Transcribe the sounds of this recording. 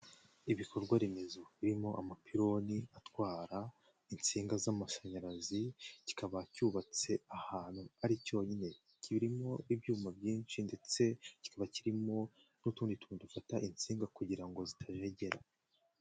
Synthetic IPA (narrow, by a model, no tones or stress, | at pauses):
iβikʰo̞ɾɡwaɾimezoβiɾimo̞ʔamapʰiɾo̞niatwaːɾa | int͡siːŋɡazamaʃaɲaɾazici̥kaβacuːβat͡se̞ahaːnhuaɾico̞ːɲine̞ | ciβiɾimo̞ibjuːmabjiːnʃinde̞t͡se̞ci̥kʰaβaciɾimo̞ | nutuːnditudufataʔint͡siːŋɡakuɟiɾaŋɡo̞zitʰaʒe̞ɟe̞ɾa